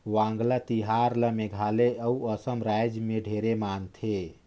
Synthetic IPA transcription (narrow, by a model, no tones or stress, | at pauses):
ʋãŋɡlat̪iɦaɾləmeɡʱaleəuəsəmɾajd͡ʒmeɖʱeɾemant̪ʰe